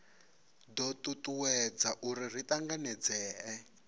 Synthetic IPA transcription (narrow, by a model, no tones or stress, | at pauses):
dɔtutuwɛd͡zaʔuɾir̤itaŋɡanɛd͡zɛːɛ